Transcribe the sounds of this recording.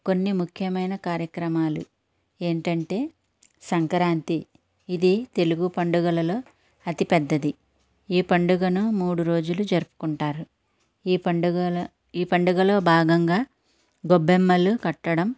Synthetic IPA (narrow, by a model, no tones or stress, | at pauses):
ko̞nːimukʰjɐmɐjnɐkaːɾjɐkɾɐmaːlu | e̞ːɳʈɐɳʈe̞ː | sɐŋkɐɾaːnt̪iː | d̪it̪e̞luɡupɐɳɖuɡɐlɐlo̞ː | ɐt̪ipɛd̪ːɐd̪i | iːpɐɳɖuɡɐnumuːɽuɾo̞ːd͡ʒulud͡ʒɐɾupu̥kuɳʈaːɾu | pɐɖuɡɐ | iːpɐɳɖuɡɐlo̞ːbʱaːɡɐŋɡaː | ɡobːemːɐlukɐʈːɐɽɐm